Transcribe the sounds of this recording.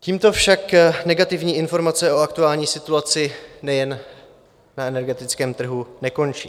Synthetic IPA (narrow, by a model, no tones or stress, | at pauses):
ciːmt̪o̞fʃaknɛɡat̪ɪvɲiːʔɪnfo̞ɾmat͡sɛʔo̞ak̚t̪uaːlɲiːsɪt̪uat͡sɪnɛjɛn | naɛnɛɾɡɛt̪ɪt͡skɛːmt̪r̩ɦunɛko̞nt͡ʃḭː